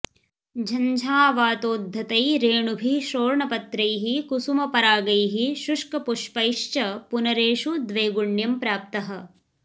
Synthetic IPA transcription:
d͡ʒʱɐɲd͡ʒʱaːʋaːt̪oːd̪ʱːɐt̪ɐjɾeːɳubʱiʃoːɾɳɐpɐt̪ɾɐjɦikusumɐpɐɾaːɡɐjɦiʃuʂkɐpuʂpɐjʂt͡ʃɐpunɐɾeːʃud̪ʋeːɡuɳjɐmpɾaːp̚t̪ɐɦɐ̆

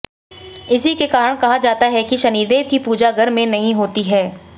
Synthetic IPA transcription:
ɪsikekaːɾəɽ̃kɐɦad͡ʒaːt̪aɦɛkiʃɐniːd̪eːʋkipuːd͡ʒaɡɐɾmẽnɐɦĩɦoːt̪iɦɛː

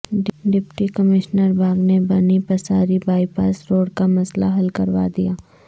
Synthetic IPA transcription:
ɖɖɪpʈikəmɪʃnəɾbʱaːɡnebɐnipɐsaːɾibaːipa̰ːsɾoːɽkamɐslaɦɐlkɐɾʋa̰d̪ijaː

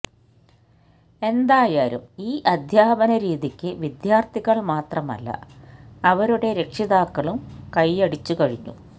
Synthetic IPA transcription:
e̞nd̪aːjaːɾṵmiːʔɐd̪ʱjaːbɐnɐɾiːðikʲːɨʋid̪jaːrt̪ʰiɣɐɭmaːt̪rɐmɐ̰lːɐ̰ɐʋɐɾuɽe̞ɾe̞kʂiðaːkːɐɭumkɐjɐɽit͡ɕːukɐɻiɲːṵ

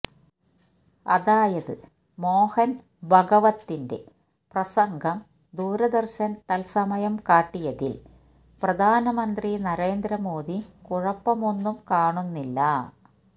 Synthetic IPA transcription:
ɐ̰ðaːjɐðɨ | mo̞ːhɐn | bʱɐɡɐʋɐt̪ːinde̞̰ | prɐsɐŋɡʱɐm | d̪uːɾɐd̪ɐrɕɐnt̪ɐlsɐmɐjɐmkaːʈːijɐðil | prɐd̪ʱaːnɐmɐnd̪rinɐɾe̞ːnd̪ɾɐmo̞ːd̪ikuɻɐpːɐmo̞nːumkaːɳunːilːɐ

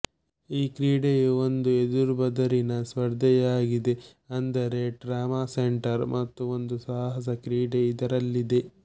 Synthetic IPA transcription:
iːkɾiːɖejuo̞nd̪ued̪uɾbɐd̪ɐɾinɐsʋɐɾd̪ʱɛjaːɡid̪e̞ | ɐnd̪ɐɾe̞ɖɾaːmaːseɳʈɐɾmʔɐt̪ːuo̞nd̪usaːɦɐs̬ɐkɾiːɖeid̪ɐɾɐlːid̪e̞

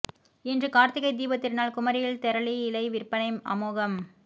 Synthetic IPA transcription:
ɛndrɯkaːɾt̪ɪɣɐɪd̪iːbɐt̪ːɪrnaːlkʊmɐɾɪjɪlt̪ɛɾɐɭiɪlɐɪʋɪrpɐnɐɪmɐ̰moːɣɐm

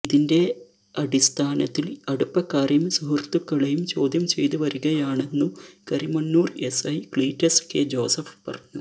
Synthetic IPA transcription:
iðinde̞ | ɐɽist̪ʰaːnɐt̪ːilɐɽupːɐkːaːrjɐmsuɦɐrt̪ukːɐɭejumt͡ɕo̞ːd̪ʱjɐmt͡ɕe̞̰jt̪uʋɐɾuɣɐjaːɳe̞nːukɐrimɐnːuːre̞sɐjkɭiːtːɐsked͡ʑo̞ːsɐfpɐrɐɲːu

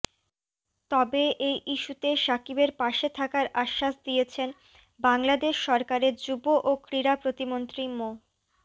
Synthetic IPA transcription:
t̪ɔbeʔejʔiʃut̪eʃakibeɾpaʃet̪ʰakaɾaʃːaʃd̪ijet͡ɕʰen | baŋlad̪eʃːɔɾkaɾeɾd͡ʑuboʔokɾiɾapɾot̪imont̪ɾimo

